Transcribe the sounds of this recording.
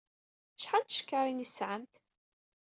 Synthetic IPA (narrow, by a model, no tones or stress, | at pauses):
ʃħant̪ʃkːaɾˤinisʕəmt̪